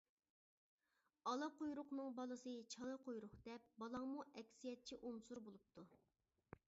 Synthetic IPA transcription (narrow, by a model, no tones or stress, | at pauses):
ɑlˠɑqojɾʊqnɨŋbɑlˠɨsɨt͡ʃʰɑlˠɨqʰojɾʊχd̪̥ɛpbɑlˠɑŋmuʔɛkʲsijɛt̪̚t͡ʃʰiʔunsuɾbolˠup̚t̪ʰu